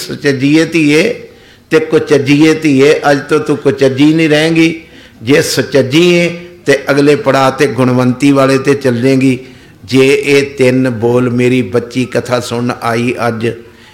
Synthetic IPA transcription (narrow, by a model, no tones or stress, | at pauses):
sət͡ʃəd͡ʒiːeːt̪iːeː | t̪eːkʊt͡ʃəd͡ʒiːeːt̪iːeːʔəd͡ʒt̪õːt̪ũkʊt͡ʃəd͡ʒiːnĩːɾɛɛ̃ːɡiː | d͡ʒeːsət͡ʃəd͡ʒĩːẽːt̪eːʔəɡleːpəɽaːt̪eːɡʊɳʋənt̪iːʋaːleːt̪eːt͡ʃəld͡ʒẽːɡiː | d͡ʒeːeːt̪ɪnboːlmeːɾiːbətːʃiːkət̪ʰaːsʊɳaːiːʔəd͡ʒ